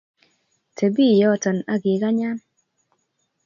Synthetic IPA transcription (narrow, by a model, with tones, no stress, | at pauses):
tʰe˨bi˦˨jɔ˦˨tɔ˨na˦ɡɪ˨ka˦ɲa˦n